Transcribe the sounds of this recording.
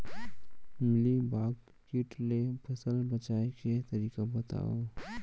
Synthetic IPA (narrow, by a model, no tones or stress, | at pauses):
mɪlibaːɡ | kiʈlepʰɐsəlbət͡ʃaːeket̪ɐɾiːkabɐt̪a̰ːo̰